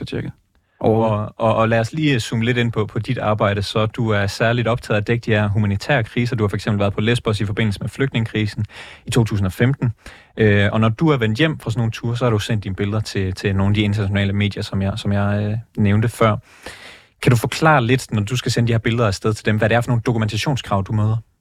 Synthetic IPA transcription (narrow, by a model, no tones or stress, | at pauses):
t͡ɕʰeɡ̥ | ʔɒɒ̽læːɒsliːsuːməle̝ɾe̝n̰pʰɒ̽pʰɒ̽did̥ɑ̈ːb̥ɑ̈ɪ̰ɾ̥əsɒ̽d̥uæɐsæɐlid̥ɒ̽b̥t͡sʰɛ̰ːð̩ˠɒd̥eɡ̥̚d̥ihæɐɦumænit͡sʰɛ̰ːɐkʰʁiːs̬ɐd̥uhɑfɒ̽eɡ̥sembl̩ʋæɐðˠpʰɒ̽lesb̥ɒsifɒ̽be̝n̰l̩səmefløɡ̥d̥ne̝ŋəkʰʁiːsn̩it͡sʰo̝̰ːt͡sʰṵːs̬n̩ɒ̽femd̥n̩ | ʔøɒ̽nɒd̥uæɐʋen̰d̥jem̰fʁɑsɒnːo̝ːn̩t͡sʰuːɐsɒ̽hɑ̈ɾ̥usen̰d̥inəb̥e̝ləð̞ˠɐt͡sʰe̝t͡sʰe̝no̝ːnæd̥ie̝nt͡sʰɐnæɕo̝nɛ̰ːləme̝̰ːd̥jɐsɒ̽mjɪsɒ̽mjɑ̈ɪøneʊnd̥əfɶɐ̰ | kʰæɾ̥ufɒ̽kʰlɑ̰̈ːle̝d̥nɒd̥usɡ̥æsenəd̥ihɛɐbe̝ləð̞ˠɐæsd̥eð̞ˠt͡sʰe̝ld̥emʋæɾeæɐfɒ̽no̝ːn̩d̥okʰument͡sʰæɕo̝̰ːnskʰʁɑ̈ʊd̥umøːð̞ˠɐ